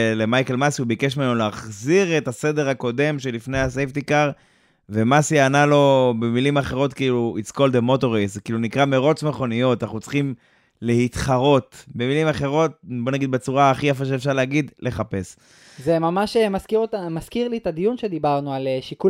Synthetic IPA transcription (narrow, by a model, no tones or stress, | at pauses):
le̞majke̞lmasiubikeʃmenolaːχziʁetase̞de̞ʁako̞de̞mʃelifnejhasejft̪ikaʁ | ve̞masiaːnalo̞bemilimaχe̞ʁo̞tkiːluit͡sko̞ld̪emo̞to̞ʁesekiːlunikʁameʁo̞t͡smeχo̞nijo̞t̪anaχnut͡sχim | le̞hit̪χaʁo̞tbe̞milimaχe̞ʁo̞t̚bo̞naɡid̪̚bet͡suʁaːχijaf̬aʃ̬eefʃaʁleaɡid̪le̞χape̞s | zemamaʃemaskiʁotamaskiʁlit̪ad̪ijunʃed̪ibaʁnualeʃiku